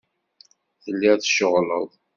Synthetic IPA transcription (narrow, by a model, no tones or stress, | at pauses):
θəlːiθʃəʁlə̰ðˤ